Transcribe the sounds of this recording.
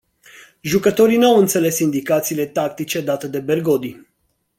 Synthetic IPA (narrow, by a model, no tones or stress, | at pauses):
ʒukət̪o̞ɾinawɨnt̪se̞le̞sind̪ikat̪siːle̞t̪akt̪it͡ʃe̞d̪at̪ed̪e̞berɡo̞d̪i